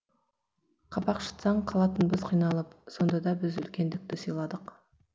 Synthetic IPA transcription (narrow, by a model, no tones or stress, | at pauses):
qʰɑpɑqʃə̥t̪sɑɴqʰɑlˠɑt̪ənbɪzqʰijnɑlˠəpso̞nd̪ɑd̪ɑbɪzʏ̰lkʲe̞nd̪ɪk̚t̪ɪsijlˠɑd̪əq